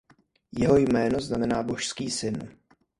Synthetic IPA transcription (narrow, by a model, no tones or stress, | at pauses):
jɛɦo̞jmɛːno̞znamɛnaːbo̞ʃskiːsɪn